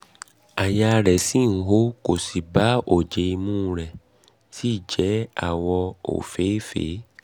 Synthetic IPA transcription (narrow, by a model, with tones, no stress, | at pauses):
a˨ja˧ɾɛ˨si˦˨n̩˨˦ɦo˦ko˨si˨ba˨˦o˨d͡ʒe˧i˧mũ˦ɾɛ˨ | ti˦˨d͡ʒɛ˨˦a̰˦˨wɔ˧o̰˨fe˨˦fḛ˨˦